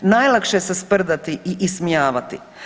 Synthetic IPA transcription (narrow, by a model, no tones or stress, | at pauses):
najlˠakʃesespr̩d̪at̪iiʔismijaːʋat̪ḭ